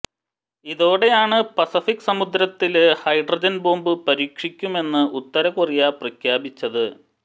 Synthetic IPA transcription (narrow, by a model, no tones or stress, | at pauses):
iðo̞ːɽe̞jaːɳɨpɐsifikːsɐmud̪ɾɐt̪ːilhɐjɖrɐd͡ʑɐnboːmbɨpɐɾiːkʂikʲːume̞nːɨʔut̪ːɐɾɐkurijaprɐkʰjaːbit͡ɕːɐðɨ